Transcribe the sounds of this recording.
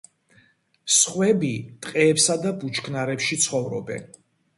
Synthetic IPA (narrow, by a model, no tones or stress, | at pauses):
sχwɛbit̪ʼqʼɛːpsad̪abut͡ʃʰkʰnaɾɛpʃit̪sʰχɔvɾɔbɛ̰n